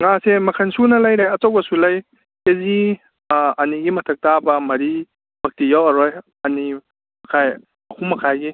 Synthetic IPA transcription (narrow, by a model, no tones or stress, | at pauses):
ŋasemɐkʰansunɐlajɾajɐt͡ʃawbɐsulaj | ezi | ɐniɡimɐtʰɐk̚tabɐmɐɾi | b̥ʱɐk̚tijawɐɾɔj | ɐni | mɐkʰaj | ɐkʰumɐkʰajɡi